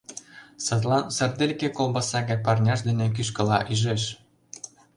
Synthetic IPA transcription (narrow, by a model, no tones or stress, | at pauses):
sɤ̆t̪lɑnsə̆rd̪elʲkekolbɑsɑɣɘ̆nʲpɑrnʲɑʃd̪ĕnĕk̬yʃ̬kə̆lɑʔyʒeʃ